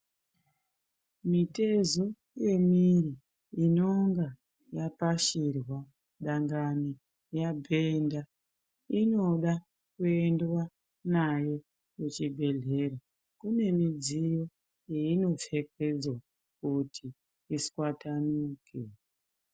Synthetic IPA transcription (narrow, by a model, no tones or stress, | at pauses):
mite̞zo̞ | je̞miriː | no̞ŋɡa | japaʃirwa | ɗaŋɡani | jabʱe̞nda | ino̞ɗa | kue̞ndwa | najo̞ | je̞t͡ʃibʱe̞ɮe̞ɾa | kune̞mid͡zijo̞ | eino̞fe̞ked͡zwa | kutʰiː | skwatanuːke